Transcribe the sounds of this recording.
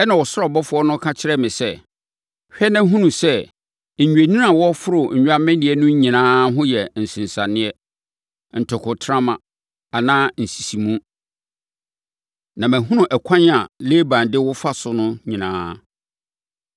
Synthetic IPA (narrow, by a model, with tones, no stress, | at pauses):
ɛ˦nã˨wɔ˨sʊ˦ɾɔ˦˨bɔ˦fʊ˦ɔ˦nʊ̃˦kʰa˦t͡ɕʰɪ˦ɾɛ˦mɪ̃˨sɛ˦˨ | hᶣɛ˦nã˦ɦũ˦nũ˨sɛ˦ | ɲ̩˨ɲᶣ˨e˨nĩ˦n˦ã˨wɔ˦fʊ˦ɾʊ˨ɲ̩˨ɲᶣ˦a˦mɪ̃˦nɪ̃˨ɛ˦nʊ̃˦ɲĩ˨nãː˦ɦʊ̃˦jɛ˨n̩˨sɪ̃˨n˨sã˨nɪ̃˦ɛ˦ | n̩˨tʰɔ˨kʰʊ˨tʰɾã˦mã̰˨ | a˨nãː˦n̩˨si̥˨si˨mũ˦ | nã˨mæ̃˨ɦũ˦nũ˨ʔɛ˨kʰã˦n˦a˨le˦bã˨ndɪ˦wʊ˦fa˦sʊ˨nʊ̃˦ɲĩ˨nã̰ː˦